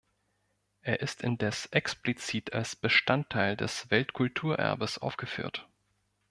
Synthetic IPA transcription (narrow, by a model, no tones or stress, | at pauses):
ʔeːɐʔɪstɪndɛsʔɛksplit͡siːtʰalsb̥əʃtʰantʰːaɪldɛ̰sv̥ɛltkʰʊltʰuːɐʔɛ̰ɐ̰bəsʔa̰ʊfɡ̥əfy̰ːɐt